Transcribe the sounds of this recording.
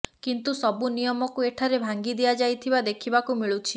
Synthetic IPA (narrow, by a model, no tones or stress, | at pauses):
kint̪usɔbunijɔmɔkueʈʰaɾebʱaŋɡid̪ijad͡ʒajt̪ʰibad̪ekʰibakumiɭut͡ʃʰi